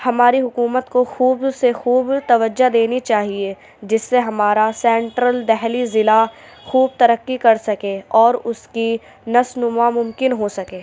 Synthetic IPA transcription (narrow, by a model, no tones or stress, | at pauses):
hɐmaːɾiɦʊkuːmət̪koxuːbsexuːbt̪ɐʋəd͡ʒad̪eːnit͡ʃaːɦie | d͡ʒɪsːeɦɐmaːɾasɛ̃ːɳʈɾəld̪ɛɦlizɪla | xuːb̚t̪ɐɾəkːikɐɾsɐkeːɔːɾʊski | nɐsnʊmamʊmkɪnɦosɐkeː